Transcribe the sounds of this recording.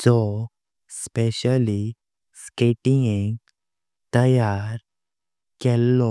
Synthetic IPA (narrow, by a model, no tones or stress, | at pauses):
d͡zɔ | speɕəli | skeʈĩŋiŋɡ | t̪əjaɾ | kɛlːɔ